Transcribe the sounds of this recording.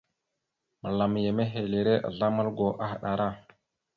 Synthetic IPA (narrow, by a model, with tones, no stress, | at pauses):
mə˨la˨m˨je˨me˦ɦe˨le˨ɾe˦ʔa̰˨ɮa˦ma˦lɡo˨ʔa˦xa˨ɗa˨ɾa˦